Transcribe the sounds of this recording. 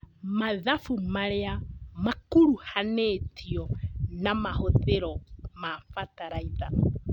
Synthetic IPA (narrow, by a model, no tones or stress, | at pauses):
maðafumaɾeamakuɾuhaneːtʰiɔnamahoðeɾomafataɾajða